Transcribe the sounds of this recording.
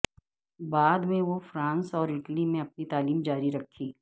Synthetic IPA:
baːd̪mẽʋofɾãːnsɔːɾɪʈlimẽɐp̚nit̪aːliːmd͡ʒaːɾiɾɐkʰːiː

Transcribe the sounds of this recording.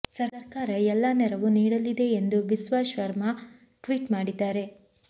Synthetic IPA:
sɐɾɾkaːɾɐɛlːanɛɾɐʋuniːɽɐlːid̪e̞ːnd̪ubisʋaːʃʋɐɾmɐ | ʈʋiːʈmaːɽid̪ːaːɾe̞

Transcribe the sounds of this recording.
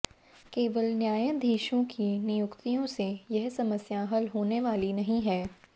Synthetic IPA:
keːʋəlnjaːjə̃d̪ʱiːʃõkʰinɪjʊkt̪ijõsejɐɦsɐməsjaɦəlɦoːneʋaːlinɐɦĩɦɛː

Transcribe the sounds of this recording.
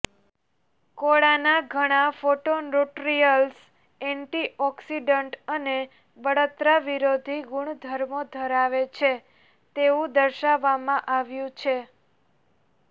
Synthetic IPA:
koɭanaɡʱəɽ̃afoʈonɾoʈɾijəls | ɛɳʈiʔɔksiɖəɳʈəne | bəɽot̪ɾaʋiɾod̪ʱiɡuɳd̪ʱəɾmod̪ʱəɾaʋet͡ʃʰe | t̪eũd̪əɾʃaʋːamãʔaʋjũt͡ʃʰe

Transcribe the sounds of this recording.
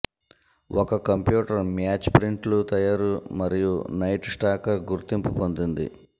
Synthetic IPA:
wʔɔkɐkɐmpjuːʈɐɾmjaːt͡ʃpɾiɳʈlut̪ɐjaːɾumɐɾijunɐjʈsʈaːkɐɾɡuɾt̪impupond̪ind̪ḭ

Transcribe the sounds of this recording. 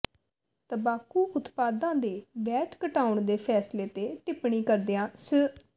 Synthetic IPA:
t̪əbaːkuːʔʊt̪paːd̪ãːd̪eːʋɛːʈʰkəʈaːʊɳd̪eːpʰɛːsleːt̪eːʈɪpɳiːkəɾd̪eãːsə

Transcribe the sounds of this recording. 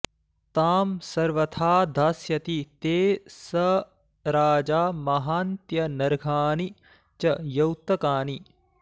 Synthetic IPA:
t̪aːmsɐɾʋɐt̪ʰaːd̪ʱaːsjɐt̪it̪eːsɐ | ɾaːd͡ʒaːmɐɦaːnt̪jɐnɐɾɡʱaːni | t͡ʃɐjɐwt̪ɐkaːni

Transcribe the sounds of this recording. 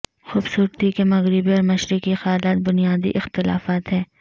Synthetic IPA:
xuːbsuːɾt̪ikemɐɣɾɪbiɔːɾmɐʃɾikixɐjaːlaːt̪̚bʊnijaːd̪ḭʔɪxt̪ɪla̰ːfaːt̪ɦɛː

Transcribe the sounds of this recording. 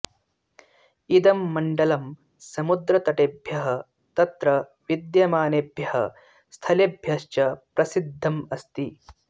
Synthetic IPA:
id̪ɐmːɐɳɖɐlɐm | sɐmud̪ɾɐt̪ɐʈebʱjɐɦɐ | t̪ɐt̪ɾɐ | ʋid̪jɐmaːnebʱjɐhɐ̰ | st̪ʰɐlebʱjɐʃt͡ʃɐpɾɐsid̪ʱːɐmɐst̪i

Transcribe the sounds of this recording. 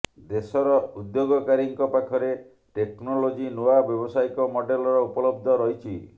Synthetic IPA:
d̪esɔɾɔud̪joɡɔkaɾiŋkɔpakʰɔɾe | ʈeknɔlod͡ʒinoabjɔbɔsajkɔmɔɖelɔɾɔupɔlɔbd̪ʱɔɾɔɦit͡ʃʰi

